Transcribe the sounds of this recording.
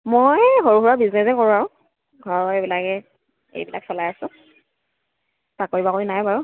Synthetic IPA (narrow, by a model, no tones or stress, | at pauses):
mojɦoɹuɦuɹabiznɛsɛkoɹuaɹʊ̃ | ɡʱɔɹɔebilakɛ | ḛjbila̰ksɔlajasʊ̃ | sakoɹibakoɹinajbaɹʊ